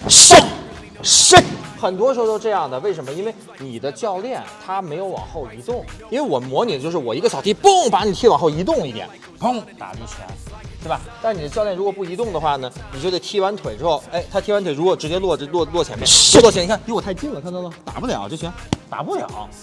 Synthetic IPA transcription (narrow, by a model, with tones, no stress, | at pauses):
ʂi˥˩ | ʂi˥˩xə˨˩nt̪wɔ˥ʂɻ̩˧˥xo˥˧ʈ͡ʂɤ˥˧jɑ˥˩ŋd̪ə˩we˥˩ɪʂ̬ə˧˥mə˧i˥nwe˥˩ɪ | ni˨˩d̪ə˦t͡ɕjɑ˥˧ʊljɛ˥˩nt̪ʰa˥me˧˥ɪjo˧˥ʊwɑ̰˨˩ŋxo˥˩ʊi˧˥t̪ʊ˥˩ŋi˥nwe˥˧ɪwɔ˨˩mwɔ˧˥ni˨˩ət͡ɕjo˥˧ʊʂɻ̩˥˩wɔ˨˩i˧˥ɡə˧ɕjɑ˨˩ʊt̪ʰi˧˥pɤ˥˩ŋpa˧˥ni˨˩t̪ʰi˥wɑ˨˩ŋxo˥˩ʊi˧˥t̪ʊ˥˧ŋi˥˩jɛ̰˨˩˦n | pɤ˥˩ŋt̪a̰˨˩pi˥˩t͡ɕʰɥɛ̰˧˥nʂba˨˩t̪a˥˩nni˨˩d̪ə˦t͡ɕɑ˥˧ʊljɛ˥˩ɻu˧˥kwɔ˨˩pu˥˩i˧˥t̪ʊ˥˩ŋd̪ə˩xwa˥˩nə˩ni˨˩t͡ɕj̪a˥˩t̪ʰi˥wa˧˥nt̪ʰwe˨˩ɪʈ͡ʂɻ̩˥xo˥˩ʊe˥ɪt̪ʰa˥t̪ʰi˥wa˧˥nt̪ʰwe˩ɪu˧˥kwɔ˨˩ʈ͡ʂɻ̩˧˥t͡ɕjɛ˥lwɔ˥˧˩lɔ˥˧lwɔ˥˩t͡ɕʰɛ˧˥mjlwɔ˥˩t͡ɕʰni˨˧˥t̪i˧˥wɔ˨˩˥ɪt͡ɕi˥˧nlə˨kʰnt̪ə˧˩t̪a̰˨˩pu˥˩ljɑ̰˨˩˦t͡ɕjo˥˩t͡ɕʰɕʰɛ˧˥nt̪a̰˨˩pu˥˩ljɑ̰˨˩˦ʊ